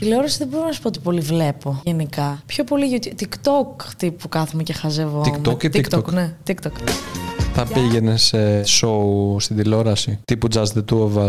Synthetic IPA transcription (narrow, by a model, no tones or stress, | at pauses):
ilo̞ɾɐsiðebo̞ɾonɐsu̥pot̪i̥po̞livle̞po̞ʝenikɐpço̞po̞liot̪it̪ikt̪o̞kt̪ipukɐθomucexɐzevoikmokt̪ikt̪oknet̪ikt̪ok | θɐpiʝe̞ne̞sesoust̪id̪ilo̞ɾɐsit̪ipud͡zɐzt̪et̪uovɐ